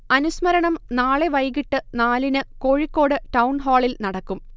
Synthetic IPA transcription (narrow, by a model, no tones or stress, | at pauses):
ɐnusmɐɾɐɳɐmnaːɭeʋɐjɣiʈːɨnaːlinɨko̞ːɻikːo̞ːɽɨʈɐwnɦoːɭilnɐɽɐkːum